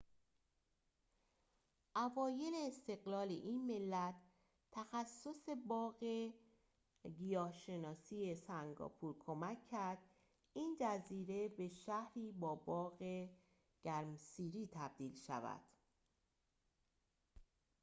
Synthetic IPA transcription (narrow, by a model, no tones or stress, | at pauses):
ʔævɒːje̞leːst̪e̞ɣlɒːlḛʔinme̞lːæt̪ʰ | t̪ʰːæxæsːo̞se̞bɒːɣe | ɡijɒːʃe̞nɒːsiːje̞sæŋɡɒ̰ːpʰuɾkʰo̞mækʰːæɾd̪̥ | iːnd͡ʒæziːɾe̞be̞ʃæhɾiːbɒːbɒːɣe | ɟ̥æɾmsiːɾiːt̪ʰæb̚d̪iːlʃæ̰væ̰d̪̥